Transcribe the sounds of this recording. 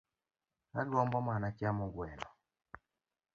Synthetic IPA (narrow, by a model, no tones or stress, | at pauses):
aɡɔmbɔmanat͡ʃjamʊɡwɛlɔ